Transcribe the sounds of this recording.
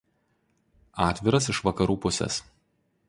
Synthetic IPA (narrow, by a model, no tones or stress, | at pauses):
ɑːt̪ʲʋʲɪɾɐsɪʃʋɐkɐɾuːpʊsʲɛ̰s